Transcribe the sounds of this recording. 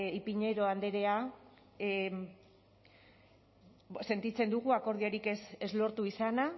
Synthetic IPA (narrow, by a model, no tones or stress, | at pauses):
ipiɲe̞ɾo̞and̪e̞ɾe̞a | se̞nt̪it͡se̞nd̪uɣ̞uako̞ɾð̞ioɾikesezlo̞ɾt̪uisana